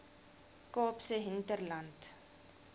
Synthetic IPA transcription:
koːpsəɦɪntərlant

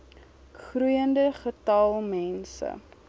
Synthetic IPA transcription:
χrujəndəχətɐlˠmɛnsə̰

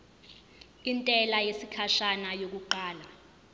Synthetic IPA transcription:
intʼɛlajesikʰaʃanajok̬uǃaːla

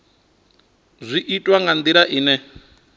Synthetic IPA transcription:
zʷiʔitʼwaŋɡand̪iɾaʔiːnɛ

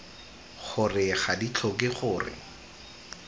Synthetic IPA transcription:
χʊrɪχadit͡ɬʰɔkɪχʊːrɪ̰

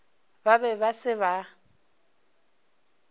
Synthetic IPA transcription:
babɛβasɪβa

